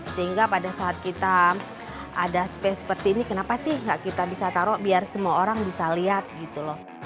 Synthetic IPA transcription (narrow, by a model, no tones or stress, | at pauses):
səɦiŋɡapadasaːt̪̚kit̪a | adasə̥pɛsə̥pərt̪iːnikənapasɪhŋɡaʔkit̪abisat̪aɾɔʔbiarsəmuaoɾaŋbisaliat̪̚ɡit̪ulɔh